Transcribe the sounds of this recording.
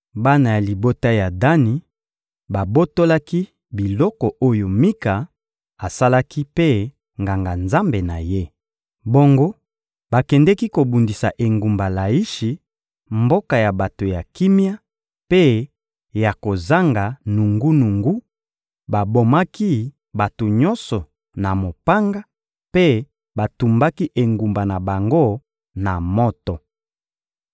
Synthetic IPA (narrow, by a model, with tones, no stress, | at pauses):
ba˦na˨ja˨li˨bo˦ta˦ja˨da˦ni˨ | ba˨bo˦to˦la˦ki˦ | bi˨lɔ˦kɔ˨ʔo˦jo˨mi˦ka˨ | a˨sa˦la˦kʰi˦pe˦ | ŋɡa˨ŋɡa˨nza˦mbe˨na̰˨je˦ | bo˦ŋɡo˦ | ba˨kɛ˨ndɛ˦ki˦ko˨bu˨ndi˨sa˨ʔe˨ŋɡu˨mba˨la˨i˦ʃi˨ | mbo˦ka˨ja˨ba˨to˨ja˨ki˦mi˦a˦ | pe˦ | ja˨ko˨za˦ŋɡa˨nu˨ŋɡu˦nu˨ŋɡu˦ | ba˨bo˨ma˦ki˦ | ba˨to˨ɲɔ˦nsɔ˨ | na˨mo˨pa˦ŋɡa˦ | pe˦ | ba˨tu˨mba˦ki˦ʔe˨ŋɡu˨mba˨na˨ba˨ŋɡo˦˨ | na˨mɔ˦tɔ˨